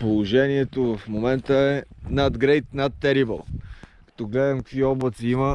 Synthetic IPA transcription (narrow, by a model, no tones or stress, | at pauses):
polˠoʒɛniɛt̪ovɐfmomɛnt̪əɛnad̪ɡɾejt̪nat̪ːɛɾibə̰lˠkɐ̥t̪ɔɡlɛd̪ɐmkə̥kviɔblˠət̪siimə